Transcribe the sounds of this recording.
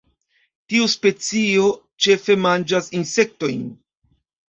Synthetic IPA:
tiuspe̞t͡sio̞ | t͡ʃe̞fe̞mand͡ʒasinse̞k̚to̞jn

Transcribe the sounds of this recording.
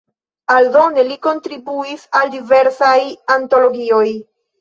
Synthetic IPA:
aldo̞ne̞liko̞ntɾibuisaldive̞ɾsajanto̞lo̞ɡio̞j

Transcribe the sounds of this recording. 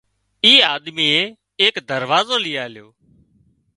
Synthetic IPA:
iːaːd̪miːeː | eːkd̪əɾʋaːzoːlɪjaːljoː

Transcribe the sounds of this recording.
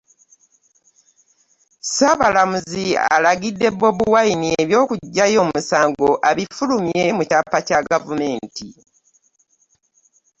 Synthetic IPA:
saβalamuzia̰laɡidːe̞bo̞buwainieβjo̞ːkuɟːajo̞ːmusaːŋɡo̞ʔaβifulumje̞mucapːacaɡavume̞ːnti

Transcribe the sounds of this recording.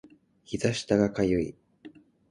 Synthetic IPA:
çizaɕi̥t̪aɡakajɯi

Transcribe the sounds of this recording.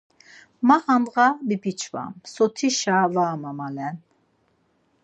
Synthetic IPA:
maχanʁabipit͡ʃʰva̰msɔt̪ʰiʃavaːmamalɛn

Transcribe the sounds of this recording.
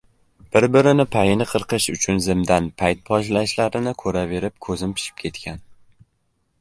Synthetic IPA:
b̥ɪɾbɪɾɪnɪpʰajɪnɪqʰɨɾqɨʃʊt͡ʃʰʊnzɪmd̪anpʰajt̪̚pʰɒʃlaʃlaɾɪnɪkʰɵɾave̞ɾɪp̚kʰɵzɪmpʰɪ̥ʃɪ̥p̚kʲʰe̞t̪kʲan

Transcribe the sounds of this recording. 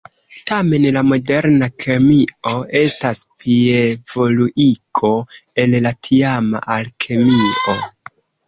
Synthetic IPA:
tame̞nlamo̞de̞ɾnakʰemio̞e̞staspievo̞luʔikʰo̞e̞llatʰiama̰ʔalkʰe̞mio̞

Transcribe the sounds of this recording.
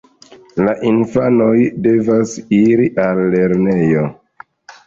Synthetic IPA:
laʔinfano̞jde̞vasiɾiʔalːe̞ɾne̞jo̞

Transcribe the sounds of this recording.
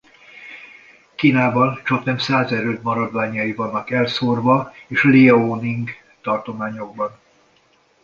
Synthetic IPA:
kiːnaːbɒnt͡ʃɒknɛmsaːzɛɾøːd̪mɒɾɒd̪vaːɲːɒivɒnːɒkɛlsorvɒeːʃleɛoniŋɡ | t̪ɒrt̪o̞maːɲo̞ɡ̚bɒn

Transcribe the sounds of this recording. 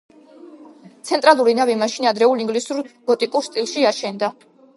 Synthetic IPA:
t̪sʰɛnt̪ʼɾalˠuɾinavimaʃinad̪ɾɛulˠiŋɡlisuɾɡ̥ɔt̪ʼikʼuɾst̪ʼilˠʃiaʃɛnd̪a

